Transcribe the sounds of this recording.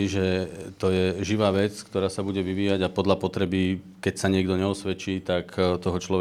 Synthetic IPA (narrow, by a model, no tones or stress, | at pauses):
iʒɛt̪ɔjɛʒiʋaːʋɛt͡skt̪ɔɾaːsabuɟɛʋiʋiːjaɟapɔd̪ʎapɔt̪ɾɛbi | kɛcsaɲɪɛɡd̪ɔɲɛɔsʋɛt͡ʃiːt̪akt̪ɔɦɔt͡ʃlɔ